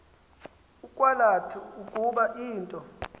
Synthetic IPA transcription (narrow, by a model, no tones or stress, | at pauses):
ukʼwalatʰuukʼuɓaʔiːntʼɔ